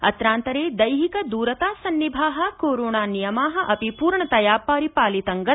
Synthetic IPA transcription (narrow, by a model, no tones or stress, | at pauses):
ɐ̰t̪ɾaːnt̪ɐɾeːd̪ɐjɦikɐd̪uːɾɐt̪aːsɐnːibʱaːɦɐ̆koːɾoːɳaːnijɐmaːɦɐ̆ʔɐpipuːɾɳɐt̪ɐjaːpaːɾipaːlit̪ɐŋɡɐ